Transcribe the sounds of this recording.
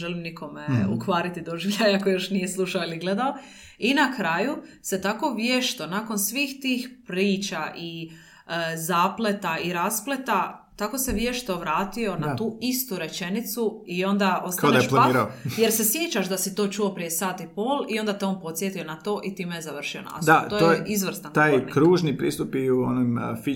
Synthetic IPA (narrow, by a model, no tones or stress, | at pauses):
ʒelimnikʰo̞meṵkʋaːɾit̪id̪oʒiʋʎʲajakojo̞ʃnijeslˠuʃaoiliɡle̞d̪ao | inakɾaːjuse̞t̪ako̞ʋjeʃt̪onaːko̞nsʋiːxt̪iːxpɾiːt͡ʃaʔi | zaːplet̪aiɾasplet̪at̪ako̞se̞ʋjeʃt̪oʋɾaːt̪io̞nat̪uːist̪uɾe̞t͡ʃe̞nit̪suio̞nd̪aʔo̞stkaod̪aeʃplaaiːɾaoje̞ɾse̞sjet͡ʃaʃd̪asit̪o̞ːt͡ʃuo̞pɾije̞saːt̪ipo̞ːlio̞nd̪at̪eo̞npo̞t̪sjet̪io̞nat̪o̞ːʔit̪iːmejezaʋr̩ʃio̞̰na̰sd̪aojoizʋr̩st̪ant̪aːjkɾuːʒnipɾḭːst̪upiuo̰nomfi